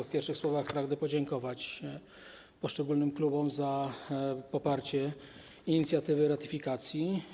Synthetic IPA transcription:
fpʲjɛɾfʂɘxswɔvaxpɾaɡd̪ɛpɔd͡ʑɛŋkɔvat͡ɕ | pɔʂt͡ʂɛɡulnɘmklubɔmza | pɔpaɾt͡ɕɛ | iɲit̪sʲjat̪ɘvɘɾat̪ɘ̥fʲikat̪sʲji

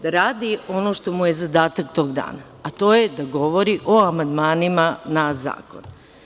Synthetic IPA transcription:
d̪aɾaːd̪io̞no̞ʃt̪o̞mujezad̪aːt̪akt̪o̞ːɡd̪a̰ːnaːt̪oːjed̪aɡo̞ʋo̞ɾiʔo̞amand̪maːnimanaza̰ːko̰n

